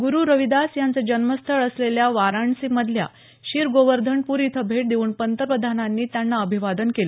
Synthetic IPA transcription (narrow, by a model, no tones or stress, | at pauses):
ɡuɾuːɾəʋid̪asjant͡səd͡ʑənməst̪ʰəɭəsleljaʋaɾaɳsiməd̪ʱlja̰ | ɕiːɾɡoʋəɾd̪ʱəɳpuɾit̪ʰəbʱeʈ̚d̪euːnpənt̪əɾpɾəd̪ʱananːiːt̪janːaəbʱiʋad̪ənkelə